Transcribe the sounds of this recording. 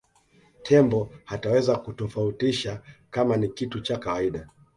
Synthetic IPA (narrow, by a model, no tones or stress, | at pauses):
tʰɛmbɔhatawɛzakutɔfautiʃakamanikitut͡ʃakawaiɗa